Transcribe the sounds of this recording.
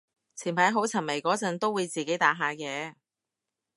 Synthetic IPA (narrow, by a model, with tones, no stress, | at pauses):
t͡sʰiː˨˩npʰɐ˨˥jɦo˨˥wt͡sʰɐ˨˩nme˨˩jkɔː˨˥t͡sɐ˨˥nt̪o˥wːuː˨˧jt͡siː˨ke˨˥jt̪aː˨˥ɦaː˨˧kɛː˧